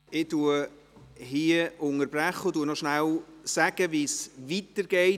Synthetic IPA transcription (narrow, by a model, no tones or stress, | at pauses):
ɪduə | ɦiəʔʊŋəɾbɾæχəʊd̥uːnɔʃnæwsæɡ̥əʋisvitəɾɡ̥ɛɪ